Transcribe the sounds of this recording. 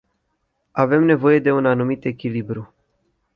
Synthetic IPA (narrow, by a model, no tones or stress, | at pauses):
ave̞mne̞vo̞je̞d̪e̞unanumit̪e̞kʲilibɾu